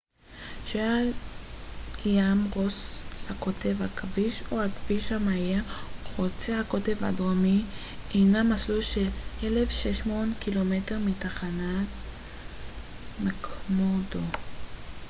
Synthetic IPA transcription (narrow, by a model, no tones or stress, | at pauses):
ʃeal | jamʁoshako̞te̞vhakʰaviʃohakviʃhamajeχot͡sehakote̞vhaɡʁomi | ejnamasluʃelelefʃeʃmonkilometeʁmitaχanat | mekʰmodo